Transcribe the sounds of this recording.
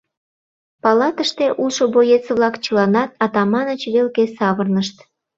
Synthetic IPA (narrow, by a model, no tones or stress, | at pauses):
pɑlɑt̪əʃt̪eʔuʃobojet͡seβlɑkt͡ɕəlɑnɑt̪̚ɑt̪ɑmɑnət͡ɕβelkesɑβərnəʃt̪